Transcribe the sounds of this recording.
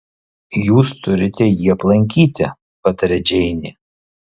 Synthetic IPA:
juːst̪ʊɾʲɪt̪ʲɛjiːɐplˠɐŋʲkʲiːt̪ʲɪ̰ | pɐt̪ɐɾʲɛd͡ʒʲɛɪnʲɪ

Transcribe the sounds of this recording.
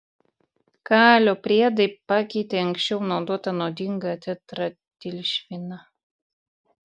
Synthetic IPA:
kɑːlʲoːpʲɾʲiɛd̪ɐɪpɑːkʲɛɪt̪ʲeɐŋʲksʲt͡ʃʲɛʊnɐʊd̪oɔt̪ɐnoːd̪ʲɪŋɡɐt̪ʲɛt̪ɾɐ | t̪ʲɪlʲʃʲʋʲɪnɐ

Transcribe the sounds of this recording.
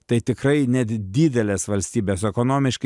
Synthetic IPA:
t̪ɐɪt̪ʲɪkɾɐɪnʲɛt̪d̪ʲiːd̪ʲɛlʲeːsʋɐlʲsʲt̪ʲiːbʲeːsɛkoːnoːmʲɪʃkɐ

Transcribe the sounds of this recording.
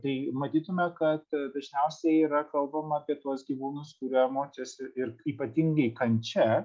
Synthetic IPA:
t̪ɐɪmɐt̪ʲiːt̪ʊmʲɛkɐt̪d̪ɐʒʲnʲæʊsʲɛiːɾɐkɐlˠbɐmɐɐpʲiɛt̪uɔsɡʲiʋuːnʊskuɾʲɛmoːt͡ʃʲɛsɪɪɾiːpɐt̪ʲɪŋɡɐɪkɐnʲt͡ʃʲɛ

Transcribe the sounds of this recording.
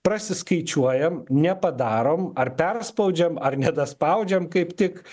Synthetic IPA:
pɾɐsʲɪskɐɪt͡ʃʲuɔjɛmnʲɛpɐd̪ɑːɾoːmɐrpʲɛrspɐʊd͡ʒʲɛmɐrnʲɛd̪ɐspɐʊd͡ʒʲɛmkɐɪpt̪ʲɪk

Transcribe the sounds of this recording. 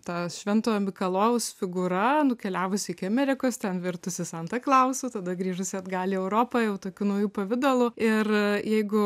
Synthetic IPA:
t̪ɐʃʲʋʲɛnt̪oːɐmʲɪkɐlˠoːʋʊsfʲɪɡʊɾɐnʊkʲɛlʲæːʋʊsʲɪɪkʲɪɐmʲɛɾʲɪkoːst̪ʲɛnʋʲɪrt̪ʊsʲɪsɐnt̪ɐklˠɐʊsʲuːt̪ɐd̪ɐɡɾʲiːʒʊsʲɪɐd̪ɡɑːlʲiːɛʊɾoːpɐjɛʊt̪oːkʲuːnɐʊjuːpɐʋʲɪd̪olˠʊɪrjɛɪɡʊ

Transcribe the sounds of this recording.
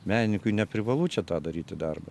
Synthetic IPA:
mʲæːnʲɪnʲɪŋkʊɪnʲɛpʲɾʲɪʋɐlˠuːt͡ʃʲɛt̪ɑːd̪ɐɾʲiːt̪ʲɪd̪ɐrbɐ

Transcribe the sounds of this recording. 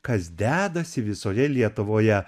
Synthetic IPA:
kɐsd̪ʲæːd̪ɐsʲɪʋʲɪsoːjɛlʲiɛt̪ʊʋoːjɛ

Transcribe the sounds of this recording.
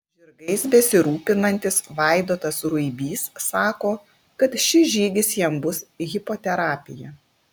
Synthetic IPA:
ʒʲɪɾɡɐɪsbʲɛsʲɪɾuːpʲɪnɐnʲt̪ʲɪsʋɐˑɪd̪oːt̪ɐsɾʊɪbʲiːsːɑːkoː | kɐt̪ʃʲɪʒʲiːd̪ʲɪsjiɛmbʊsɣʲɪpoːt̪ʲɛɾɑːpʲɪjɛ

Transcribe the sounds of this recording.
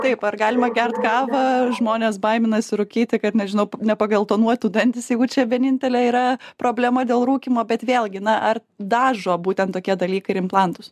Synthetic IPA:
t̪ɐɪpɐrɡɑːlʲɪmɐɡʲɛrt̪kɑːʋɐʒmoːnʲeːsbɐɪmʲɪnɐsʲɪɾʊkʲiːt̪ʲɪkɐt̪nʲɛʒʲɪnɐʊnʲɛpɐɡɐlˠt̪oːnuɔt̪ʲuːd̪ɐnʲt̪ʲɪsjɛɪɡʊt͡ʃʲɛʋʲiɛnʲɪnʲt̪ʲɛlʲɛiːɾɐpɾoːbʲlʲɛmɐd̪ʲeːlˠɾuːkʲiːmoːbʲɛt̪ʋʲeːlʲˠɡʲɪnɐʔɐr | d̪ɑːʒoːbuːt̪ʲɛnt̪oːkʲiɛd̪ɐlʲiːkɐɪɾɪmplˠɑnt̪ʊs

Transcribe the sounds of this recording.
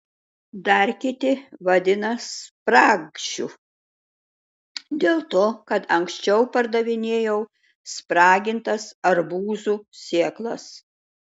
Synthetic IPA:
d̪ɐɾʲkʲɪt̪ʲɪʋɐd̪ʲɪnɐspɾɑːɡʃʲṵː | d̪ʲeːlˠt̪oːkɐt̪ɐŋksʲt͡ʃʲɛʊpɐɾd̪ɐʋʲɪnʲeːjɛʊ | spɾɑːɡʲɪnt̪ɐsɐɾbuːzusʲeːɛklˠɐ̰s

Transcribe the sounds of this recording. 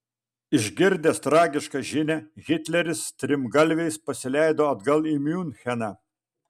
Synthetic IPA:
ɪʒʲɡʲɪɾʲd̪ʲeːst̪ɾɑːɡʲɪʃkɑʒʲɪnʲɛɣʲɪt̪ʲlʲɛɾʲɪst̪ʲɾʲɪmɡɐlʲʋʲɛɪspɐsʲɪlʲæɪd̪oːɐd̪ɡɐlˠimʲjuːnxʲɛnɑ

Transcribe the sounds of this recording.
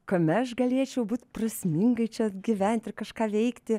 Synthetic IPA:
kɐmʲɛɐʃɡɐlʲiɛt͡ʃʲɛʊbuːt̪ʲprɐsʲmʲɪŋɡɐɪt͡ʃʲɛɐɡʲɪʋʲɛnʲt̪ʲɪrkɐʃkɑːʋʲɛɪkt̪ʲɪ

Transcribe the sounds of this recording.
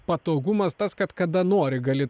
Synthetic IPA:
pɐt̪oːɡʊmɐst̪ɐskɐt̪kɐd̪ɐnoːɾʲɪɡɐlʲɪ

